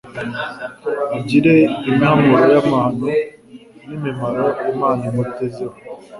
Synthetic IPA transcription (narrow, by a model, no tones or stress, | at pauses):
ad͡ʒiɾeimamɔɾɔjamaːnʊ | nimemaɾɔemaːnumoteziɔ